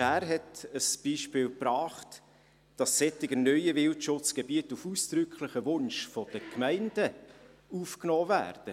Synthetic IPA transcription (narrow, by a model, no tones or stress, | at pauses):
æːɾɦɛtəsb̥iːʃpɪːlprɑːχt | d̥ɑsːɛtɪɡənœʏəvɪltʃʊt͡sɡ̥ebiətufuːst̪ɾʏkχləχəvʊnʃfɔd̥əkmæɪnd̥ə | uːfknɔːvæ̰ːɾd̥ə